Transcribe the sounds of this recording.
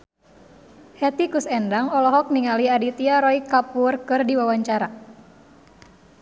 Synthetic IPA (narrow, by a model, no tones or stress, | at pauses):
hɛt̪ikusɛndaŋɔlɔɦɔk̚niŋaliadit̪iaɾɔikapurkɨrdiwawaɲt͡ʃaɾa